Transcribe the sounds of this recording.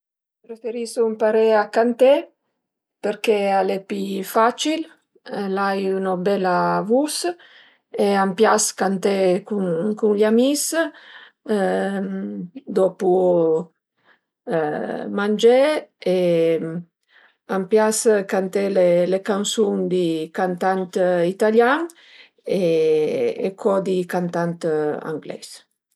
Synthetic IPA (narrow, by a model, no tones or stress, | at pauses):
pɾefeɾisuumpaɾeakant̪e | peɾkealepifat͡ʃil | lajunobɛlavus | eampjaskant̪ekunkunlamis | d̪ɔpu | mand͡ʒee | ampjaskant̪elelekansuŋd̪ikant̪ant̪it̪aljaŋ | ḛː | kʰɔd̪ikant̪ant̪a̰ŋɡlɛ̰s